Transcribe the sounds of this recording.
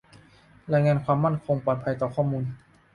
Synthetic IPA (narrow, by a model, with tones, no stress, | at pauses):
ɾaː˧jŋaː˧nkʰwaː˧mːa˥˩nkʰo˧ŋpɔː˨˩t̪̚pʰa˧jt̪ɔː˨˩kʰɔː˥˩muː˧n